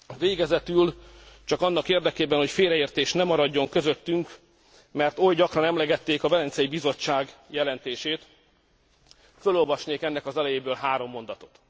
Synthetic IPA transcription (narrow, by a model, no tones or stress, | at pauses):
veːɡɛzɛt̪ylt͡ʃɒkɒnːɒkeːrd̪ɛkeːbɛnho̞cfeːɾɛeːrt̪eːʃt̪nɛmɒɾɒɟːo̞ŋkø̞zøt̪ːyŋk | mɛrt̪o̞jɟɒkrɒnɛmlɛɡɛt̪ːeːkɒvɛlɛnsɛjibizo̞t͡ʃːaːɡjɛlɛnt̪eːʃeːt̪ | følo̞lvɒʃneːkɛnːɛkɒzɛlɛjeːbøːlɦaːɾo̞mːo̞nd̪ɒt̪o̞̥t̪